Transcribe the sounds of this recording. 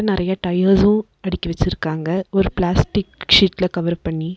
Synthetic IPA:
nɪɾɐjaʈɐjaːzʊ̃ | ɐɽɪkʲːɐʋɛt͡ʃːɪɾɯkːaːŋɡɐɔɾɯplaːsʈɪkʂiːʈɪlɐkɐʋɐɾpɐɳːi

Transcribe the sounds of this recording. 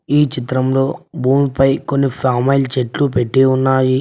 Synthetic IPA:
iːt͡ʃit̪ɾɐmlo̞ːbuːmpɐjko̞nːipʰaːmɐjlt͡ʃeʈlupeʈːeːunːaːji

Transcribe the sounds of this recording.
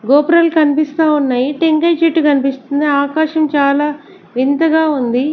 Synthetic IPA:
ɡoːpɾɐlkɐnipist̪aːunːaːjiʈeŋkɐjt͡ʃiʈːukɐnipist̪und̪iaːkaːʃɐmt͡ʃaːlaː | ʋint̪ɐɡaːund̪i

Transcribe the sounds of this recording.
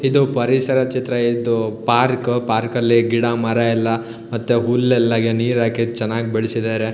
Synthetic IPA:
id̪upɐɾisɐɾɐt͡ʃit̪ɾɐid̪upaːɾkpaːɾkɐlːiɡiɽamɐɾɐilːɐ | mɐt̪ːuɦulːɛlːɐɡeniːɾaːket͡ʃɐnːaːɡbɛɭsid̪aːɾe

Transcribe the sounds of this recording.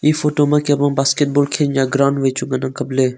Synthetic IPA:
iːfoːʈomãkeɐbãːbaːskeʈ̚boːlkʰẽːɲjãːɡɾaːɳɖʋeːt͡ʃʰũɡɐnãːŋkəbleː

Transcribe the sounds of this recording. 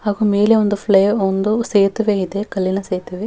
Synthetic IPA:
haːɡuːmeːleond̪upʰleːond̪useːt̪ɐʋeid̪ekɐlːinɐseːt̪ɐʋe

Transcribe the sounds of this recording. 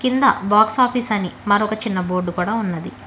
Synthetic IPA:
kind̪ɐ̰baːksaːpʰiːsɐnimɐɾɔkɐt͡ʃinːɐboːɾɖukuːɽaːunːɐd̪i

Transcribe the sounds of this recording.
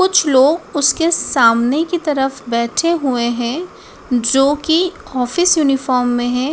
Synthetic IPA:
kʊt͡ʃʰloːɡʊskesaːmnekit̪ɐɾəfbɛːʈʰeɦueɦɛ̃ | d͡ʒoːkiɔːfɪsjuːnɪfɔːɾmːẽɦɛ̃ː

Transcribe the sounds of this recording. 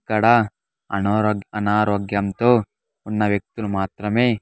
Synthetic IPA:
kɐɽɐ | ɐnːɐnaːɾoːɡjɐmt̪oː | unːɐʋjɐk̚t̪ulumaːt̪ɾɐmeː

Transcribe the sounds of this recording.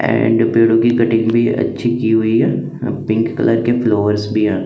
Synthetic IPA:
ɛ̰̃ɳɖpeːɽokikɐʈɪ̃ŋɡbʱiə̰tːʃʰikiɦʊiɦɛː | pɪ̃ŋkːə̰lʔəɾkefloːʋəɾsbʱiɦɛ̃ː

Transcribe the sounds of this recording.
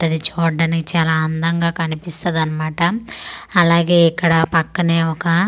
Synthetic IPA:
ɐd̪it͡ʃoːɖɐːnikit͡ʃaːlaːɐnd̪ɐŋɡaːkɐnipist̪ɐd̪ɐnːɐmaːʈɐː | laːɡe̞ːikːɐɽɐpɐkːɐneːɔkɐ

